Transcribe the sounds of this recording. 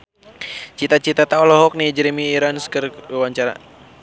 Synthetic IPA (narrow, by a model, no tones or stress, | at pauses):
t͡ʃit̪at͡ʃit̪at̪aɔlɔɦɔk̚nid͡ʒɾimiːɾanskərwaɲt͡ʃaɾa̰